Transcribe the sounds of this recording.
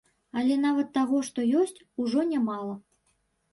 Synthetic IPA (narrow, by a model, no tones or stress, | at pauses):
alʲɛnavɐt̪ːaɣɔʂt̪ɔjɔsʲt͡sʲuʐɔnʲamalˠɐ